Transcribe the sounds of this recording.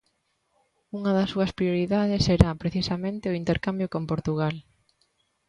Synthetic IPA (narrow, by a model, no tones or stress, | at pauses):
uŋɐðɐsːuɐspɾjoɾiðaðɪseɾapɾeθisɐmẽnt̪ɪʊint̪eɾkambjokompoɾt̪uɣal